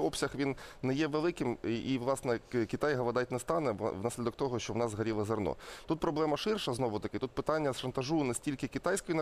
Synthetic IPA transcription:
ɔpsʲɐxʋʲinnɛjɛʋelˠɪkɪmiʋlˠɑsnɛkʲit̪ɑjɦɐʋɐd̪ɑt̚ʲnɛst̪ɑnɛʋnɑsʲlʲid̪ɔk̚t̪ɔɦɔʃt͡ʃɔwnɑzɦɐɾʲilˠɐzɐrnɔ̰t̪ut̪̚pɾɔblˠɛmɐʃɪrʃɐznɔʋʊt̪ɐkɪt̪ut̪̚pɪt̪ɑnʲːɐsʃɐnt̪ɐʒunɛsʲtʲilʲkɪkʲit̪ɑjsʲkɔjinɐ

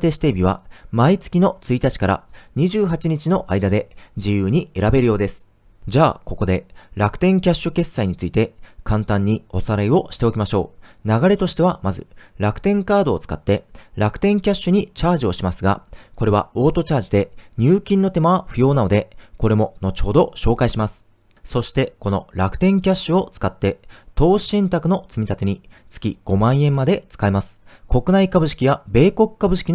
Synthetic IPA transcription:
t̪e̞ɕi̥t̪e̞ːbʲiβ̞a̰mait͡sɨ̥kʲino̞t͡sɨit̪at͡ɕi̥kaɾa̰ɲ̟iʑɨːɦat͡ɕiɲ̟it͡ɕino̞ʔaid̪ad̪e̞d͡ʑijɯːɲ̟ie̞ɾabe̞ɾɯjo̞ːd̪e̞sɨ̥ | d͡ʑaːko̞ko̞d̪e̞ɾakɯ̥t̪ẽ̞ŋkʲaɕːɨke̞sːaiɲ̟it͡sɨit̪e̞kʰãnt̪ãɲ̟ːio̞saɾaio̞ɕi̥t̪e̞o̞kʲimaɕo̞̰ːnaɡaɾe̞t̪o̞ɕi̥t̪e̞β̞amazɨ̰ɾakɯ̟̥t̪ẽ̞ŋkaːd̪o̞ːt͡sɨ̥ka̰t̪ːe̞ɾakɯ̟̥t̪ẽ̞ŋkʲaɕːɨɲ̟it͡ɕaːʑio̞ɕimasɨɡa̰ko̞ɾe̞βa̰o̞ːt̪o̞t͡ɕaːʑid̪e̞ɲ̟ɨːkʲĩnːo̞t̪e̞maβaɸɯ̟jo̞ːnano̞d̪e̞ko̞ɾe̞mo̞no̞t͡ɕo̞ːd̪o̞ɕo̞ːkaiɕimasɨ̥ | so̞ɕi̥t̪e̞ko̞no̞̰ɾakɯ̟̥t̪ẽ̞ŋkʲaɕːɨo̞t͡sɨ̥kat̪ːe̞t̪o̞ːɕĩnt̪akɯ̟no̞t͡sɨmʲit̪at̪e̞ɲ̟it͡sɨ̥kʲḭɡ̥o̞mãɰ̃ẽ̞mːad̪e̞t͡sɨ̥kaimasɨ̥ko̞kɯ̟naikabɯ̟ɕi̥kʲijabe̞ːko̞kɯ̟̥kabɯ̟ɕi̥kʲi

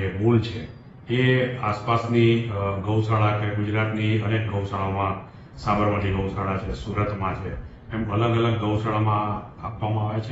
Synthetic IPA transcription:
emult͡ʃʰe | easpasniɡəwsaɭakeɡʊd͡ʒɾat̪niənek̚ɡəwsaɭamã | sabəɾmət̪ʰiɡəwsaɭat͡ʃʰesuɾət̪mãt͡ʃʰeː | mələɡələɡːəwsaɭamã | apʋamãaʋet͡ʃʰe

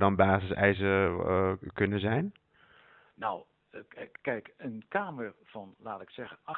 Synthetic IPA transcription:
dɔnbaːzəsɛ̰jsə | kønəzɛjn | naw | kɛjkənkaːməɹfɔnlaːtɪksɛɣəɑ

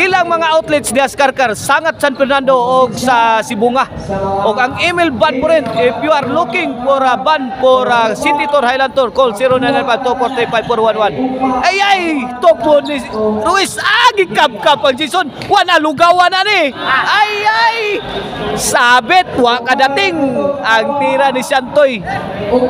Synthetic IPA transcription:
ilaŋmaŋaɔt̪lɛt̪̚sdiaskarkarsaŋat̪̚sanpɛrnandoːk̚sasibuŋah | ɔkaŋimilbanpɔɾɛnt̪epiuarlukɪŋpɔɾabanpɔɾasinit̪ɔrhajlant̪ɔrkɔlsiɾɔnananbant̪ɔpɔrt̪ɛpaipɔɾwanwanajajt̪opuniruisaɡikab̚kapant͡ʃisɔn | wanaluɡawananiajaj | sabɛt̪̚wakadat̪iŋaŋt̪iɾanisiant̪oj

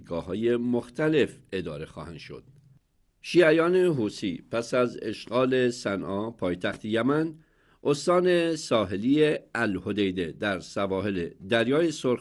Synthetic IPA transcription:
ɡɒːhɒːjemoxt̪ʰæle̞fe̞d̪ɒːɾe̞xɒ̰ːhæ̰nd̪̥ʃo̰d̪̥ | ʃiːæjɒːne̞ɦuːsipʰæsæzḛʃɢɒːle̞sænʔɒːpʰɒːjt̪ʰæxt̪ʰejæmæn | ʔost̪ɒːne̞sɒːɦe̞liːeælhod̪ejd̪ed̪æɾsævɒːɦe̞led̪æɾjɒːjesoɾ

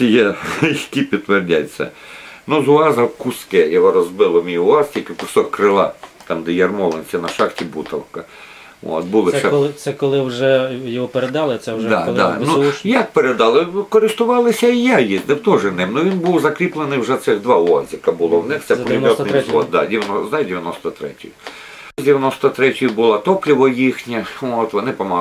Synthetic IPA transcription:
sʲijɛjɐkʲipʲit̪t̪ːʋerdʲajsʲɐ̰ | nuzʊɑzɐwkʊskɛjɔɦɔɾɔzbɪlˠɔmʲijʊɑstʲilʲkɪkʊsɔkkɾɪlˠɑ̰t̪ɑmd̪ɪjɛrmɔlˠenʲsʲɐnɐʃɑxtʲibut̪ɐ̰wkɐ | o̰ːt̪̚bulˠɪʃɛsɛkɔlˠɪwʒɛjɔɦɔpeɾed̪ɑlˠɪt̪sɛd̪ɑd̪anujak̚peɾed̪ɑlˠɪkɔɾɪst̪ʊʋɑlˠɪsʲɐijajinɛwt̪ɔʒɪnɪmnʊʋʲinbuwzɐkɾʲiplˠenɪjwʒɛt̪sɪɣd̪ʋɑɔzʲɐkɐbʊlˠɔwnɪxt̪sɛpɔlʲimʲɔt̪ɪj̪zɔt̪̚d̪a̰dʲɪʋʲjɐnɔzɐdʲɪʋʲjɐnɔst̪ɐt̪ɾɛ̰tʲʊ̰jʊ | zʲdʲɪʋʲjɐnɔst̪ɔt̪ɾɛtʲʊjʊbʊlˠat̪ɔplʲiʋɔjixnʲɐot̪ʋɔnɪpɐmɑ

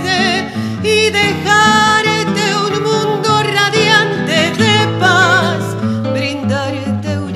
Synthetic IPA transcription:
ðe | iðexaɾet̪euŋmũnd̪oraðjant̪eðepas | bɾind̪aɾet̪ew

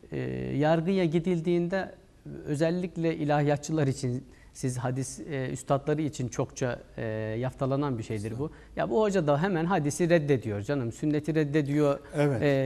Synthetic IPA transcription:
ɛ̰ːjaɾɡɯjaɟid̪ilʲd̪iːnd̪ɛ | ø̞zɛlʲːiclʲɛʔilʲahjat͡ʃʰːɯlˠaɾit͡ʃʰin | sizɦad̪isy̰st̪ʰat̪lˠaɾɯit͡ʃʰint͡ʃʰo̞kt͡ʃʰajaft̪ʰalˠananbiʃejd̪iɾbu | ja̰buho̞d͡ʒad̪aɦɛmænɦad̪isiɾɛd̪ːe̞d̪ijo̞ɾd͡ʒanɯmsynːet̪ʰiɾɛd̪ːe̞d̪ijo̞ɾɛvɛ

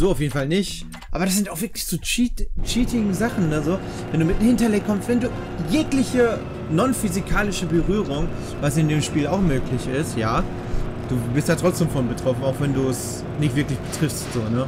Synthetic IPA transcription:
z̥oːaʊfjeːdn̩falnɪçt | ʔa̰ːbɐɾasz̥ɪntaʊxv̥ɪɐklɪçz̥oːt͡ʃiːtt͡ʃiːtʰɪɡzaχn̩nəzoː | vɛnduːmɪt̚hɪntɐlɛkʰɔmstv̥ɛnduː | jeːklɪçə | nɔnfyzikʰaːlɪʃəbəʁyːʁʊŋ | vasɪndeːmʃpiːlaʊxmøːklɪçɪstjaː | d̥uːbɪstjaːtʁ̥ɔt͡sd̥eːmfɔnbətʁ̥ɔfn̩aʊxv̥ɛnduːɛs | nɪçtv̥ɪɐklɪçb̥ətʁ̥ɪfstz̥oːnə

